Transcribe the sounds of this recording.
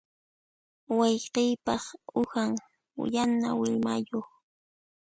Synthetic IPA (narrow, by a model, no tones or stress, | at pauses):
wɑjqɪjpɑχʊhaŋ̰ | janawɪmajoχ